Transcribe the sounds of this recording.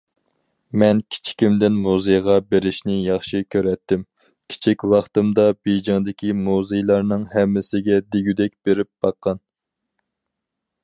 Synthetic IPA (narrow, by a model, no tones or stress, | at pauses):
mɛnkʲʰi̥t͡ʃʰi̥kʲʰimd̪ɪnmuzejʁɑbeɾɪʃnɪjɑχʃikʲʰøɾɛt̪ʰːɪm | kʲʰi̥t͡ʃʰikʲwɑχt̪ɨmd̪ɑbejd͡ʒɪŋd̪ɪkʲimuzejlˠɑɾnɨŋhɛmːɪsɪɡʲɛd̪eɡʲyd̪ɛkʲbeɾɪp̚b̥ɑqːɑn